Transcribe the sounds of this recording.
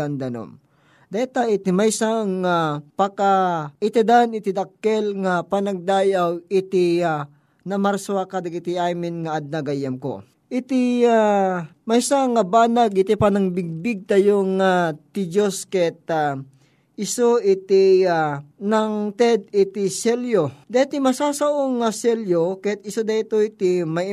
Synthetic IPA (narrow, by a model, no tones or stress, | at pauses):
and̪ɐno̰m | d̪aɛt̪aɪt̪imajsaŋapɐkaɪt̪id̪anɪt̪ɪd̪ɐkːɛlŋapanɐɡ̚d̪aːjawɪt̪ɪa | nɐmaɾsoakad̪akɪt̪ɪajmɪnŋaʔːd̪̚naɡajɐmko̰ | ʔɪt̪ɪamɐsaŋɐbaːnaɡɪt̪ipanɐŋbɪɡ̚bɪɡ̚t̪ɐjoŋat̪ɪd͡ʒoskɛɛt̪̚a | ɪsoʔɪt̪ianɐŋt̪ɛd̪̚ɪt̪ɪsɛljod̪ɛt̪ɪmɐsaːsɐʔoŋasɛljokɛt̪ɪsod̪ɐɪt̪oɪt̪ɪmɐ